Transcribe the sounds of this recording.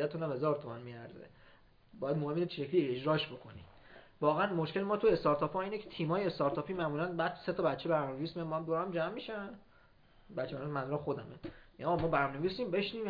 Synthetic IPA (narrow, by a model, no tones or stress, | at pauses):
æt̪ʰunæmhe̞zɒːɾt̪ʰomænmiːæ̰ɾzḛ | bɒːjæd̪mohemːinet͡ʃʰʃecʰlied͡ʒɾɒːʃbo̞kʰo̞nḭ | vɒːɣeænmoʃcelemɒːt̪ʰue̞st̪ɒːɾt̪ʰɒːpʰɒːiːnecʰet̪ʰiːmɒːjeest̪ɒɾt̪ʰɒːpʰiːmæmuːlænbæd̪set̪ʰɒːbætt͡ʃʰːeæɾmneviːsmijænmɔæmd̪oɾæmd͡ʒæmːiʃæn | bætʰːæɾmmæmulænxo̞d̪æmeːɣmɒːbæɾnɒneviːsiːmbe̞ʃniːm